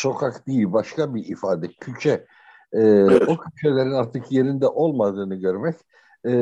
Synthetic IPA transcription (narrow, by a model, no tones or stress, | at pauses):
so̞kʰakd̪iilʲbaʃkʰabiifaːd̪ɛcʰyt͡ʃʰɛː | ocʰyt͡ʃʰe̞lʲe̞ɾinaɾt̪ʰɯkje̞ɾind̪ɛʔo̞lˠmad̪ɯːnɯɟø̞ɾmɛcː